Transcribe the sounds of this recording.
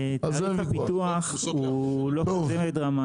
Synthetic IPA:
zpit̪uaχ | uloozemet̪ʁama

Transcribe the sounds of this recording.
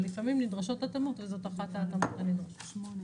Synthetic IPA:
lifamimnidʁaʃo̞tatamotvezo̞taχat̪aːtamotanid̪ʁaʃ

